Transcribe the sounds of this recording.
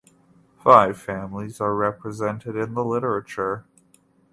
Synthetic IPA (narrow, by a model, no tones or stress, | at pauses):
faɪv̥fæ̃mlizə˞ɹɛpʰɹɨzɛ̃ntʰɨɾɨ̃nðəlɪɾə˞ɨt͡ʃə˞